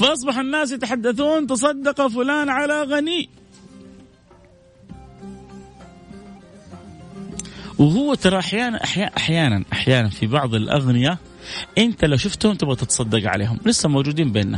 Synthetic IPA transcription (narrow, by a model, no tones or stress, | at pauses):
fɑʔɑs̬ˤbɑħanːaːs̬jat̪aħad̪ːaθuːnt̪ɑs̬ˤɑd̪ːɑqɑfʊlaːnʕalaɣaniː | wɪhʊwːat̪ɑɾˤɑʔaħjaːnaʔaħjaʔaħjaːnanʔaħjaːnanfibɑʕðˤɪlʔa̰ɣnɪja | ʔɪnt̪alaʃʊft̪hʊmt̪ʊbɣat̪ɪt̪ɑ̥sˤɑd̪ːɑqʕa̰lḛːɦʊmwlɪsːamowd͡ʒuːd̪iːmbeːnːa̰